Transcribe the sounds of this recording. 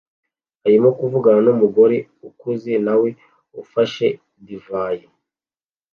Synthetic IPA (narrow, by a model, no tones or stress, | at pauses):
haɾimokuvuɡaɾanumuɡo̞ɾe | ukuzinawe̞ | ufaʃe̞ | divaje